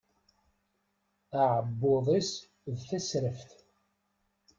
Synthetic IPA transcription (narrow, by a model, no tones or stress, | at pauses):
aʕəbːoðˤis | ðθæsɾəfθ